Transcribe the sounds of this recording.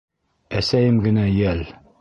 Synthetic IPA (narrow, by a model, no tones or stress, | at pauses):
æsæjɘmɡɘ̆næjæl